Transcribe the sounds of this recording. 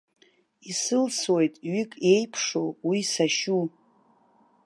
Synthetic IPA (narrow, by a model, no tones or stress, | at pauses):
isɨlswe̞jtʼɥikʼe̞jpʰʂowisaʃu